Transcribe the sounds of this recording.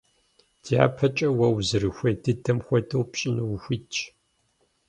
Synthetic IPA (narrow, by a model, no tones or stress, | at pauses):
d̥ja̰ːpʰɐt͡ʃʼɐwɐwzɨrɨxʷɐjdɨdʰɐmxʷɔdʰɐwpɕʼɪnɨwxʷiːt͡ʃʰ